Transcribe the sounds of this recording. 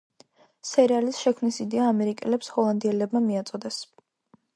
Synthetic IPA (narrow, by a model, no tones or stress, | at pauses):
sɛɾalisʃɛkʰmnisid̪ɛaːmɛɾikʼɛlɛpshɔlˠand̪iɛlɛbmamiat̪sʼɔd̪ɛs